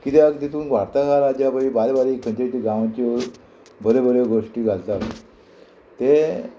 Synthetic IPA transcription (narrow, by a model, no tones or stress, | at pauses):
kit̪eəɡd̪it̪uːnɡʋaɾt̪akaɾad͡ʑjabəɾibaɾebaɾikʰːəɲt͡ɕet͡ɕiɡãʋt͡ɕeɾ | bəɾebəɾeɡoʂʈiːɡʱalt̪at̪ | t̪e